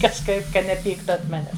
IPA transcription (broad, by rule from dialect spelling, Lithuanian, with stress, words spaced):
kɐʃˈkɐɪp ˈkɐ nʲɛˈpʲiːktʊ ɐnt ˈmɑːnʲɛs